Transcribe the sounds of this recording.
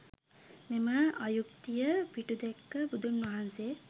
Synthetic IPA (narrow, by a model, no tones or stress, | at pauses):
meməajuk̚t̪ijəpiʈud̪ekːəbud̪unʋɐɦanse